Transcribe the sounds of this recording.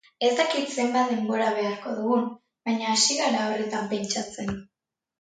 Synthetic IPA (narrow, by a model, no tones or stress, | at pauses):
e̞st̪akit̪se̞mbat̪̚d̪e̞mbo̞ɾaβ̞e̞aɾko̞ð̞uɣun | bajɲaːsiɣaɾaoret̪ampe̞nt͡ʃat͡se̞n